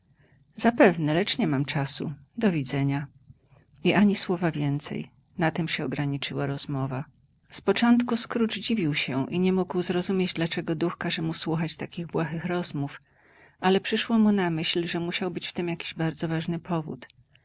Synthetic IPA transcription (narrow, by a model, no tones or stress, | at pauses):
zapɛvnɛlɛt͡ʂɲɛmamt͡ʂasṵd̪ɔvʲid̪zɛɲa | iʔaɲiswɔvavʲjɛnt̪sɛ̰j | nat̪ɛmɕɛɔɡɾaɲit͡ʂɘwaɾɔzmɔva | spɔt͡ʂɔnt̪kuskɾut͡ʂd͡ʑivʲiwɕɛʔiɲɛmuɡwzɾɔzumʲjed͡ʑd̪lat͡ʂɛɡɔd̪uxkaʐɛmuswuxat͡ɕt̪akʲiɣbwaxɘxɾɔzmuf | ʔalɛpʂɘʂwɔmunamɘɕlʐɛmuɕawbɘt͡ɕft̪ɛmjakʲiʑbaɾd̪zɔvaʐnɘpʰɔvṵt̪